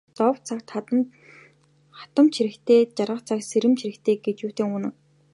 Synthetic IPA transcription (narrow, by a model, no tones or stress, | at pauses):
t͡sɔwt͡sʰakt̪ | χḁt̪ə̆mt͡ɕʰiɾɘ̆kt̪ʰeːt͡ɕarʁə̆χt͡sʰakseɾɘ̆mt͡ɕʰiɾɘ̆kt̪ʰeːɡet͡ɕuːt̪eːŋuːnɘ̆